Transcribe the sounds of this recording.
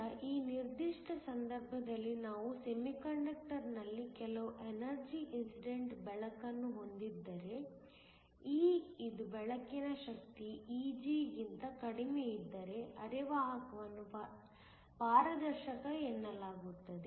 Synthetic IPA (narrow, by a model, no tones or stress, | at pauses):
ʔiːniɾd̪iʂʈɐsɐnd̪ɐɾbʱɐd̪ɐlːinaːʋuse̞mikɐɳɖɐk̚ʈɐɾnɐlːikɛlɐʋuʔenɐɾd͡ʒiʔinsiɖeɳʈbɛɭɐkɐnːuɦo̞nd̪id̪ːɐɾe̞ | iːid̪ubɛɭɐkinɐʃɐk̚t̪iiːd͡ʒiːɡint̪ɐkɐɽimeid̪ːɐɾe̞ɐɾiʋaːɦɐkɐʋɐnːup | paːɾɐd̪ɐɾʃɐkɐenːɐlaːɡut̪ːɐd̪e